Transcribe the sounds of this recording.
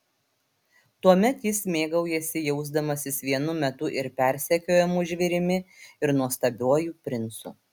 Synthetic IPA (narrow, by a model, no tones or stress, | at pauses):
t̪uɔmʲɛt̪jɪsmʲeːɡɐʊjɛsʲɪjɛʊzd̪ɐmɐsʲɪsʋʲiɛnʊmʲɛt̪ʊʔɪɾpʲæˑɾʲsʲɛkʲoːjɛmʊʒʲʋʲɪɾʲɪmʲɪɪɾnuɔst̪ɐbʲuɔjuːpʲɾʲɪnt̪sʊ̰